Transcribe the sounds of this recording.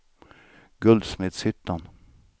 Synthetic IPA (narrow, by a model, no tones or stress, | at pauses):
ɡɵld̪smɪt̪sʏt̪ːan